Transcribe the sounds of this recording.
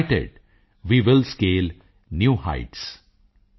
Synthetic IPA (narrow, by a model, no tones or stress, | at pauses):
ʈḛɖ | ʋiːʋɪlskeːl | njuːha̰ɪʈs